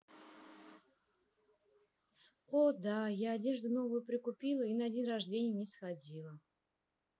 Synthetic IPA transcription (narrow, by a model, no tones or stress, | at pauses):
od̪ajaːdʲe̞ʐd̪ʊno̞vʊjʊpɾʲɪkʊpʲilˠəinəɐdʲinrɐʐdʲenʲɪjnʲɪsxadʲilˠə